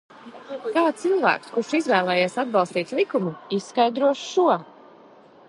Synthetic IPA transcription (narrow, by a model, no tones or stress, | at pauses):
kaːt̪silˠvæ̰ːkskuʃizvɛːlˠɛːjeːsad̪̚bɑlˠst̪iːt̪ʲlˠikumuissːkajd̪ɾuɔʃʃuɔ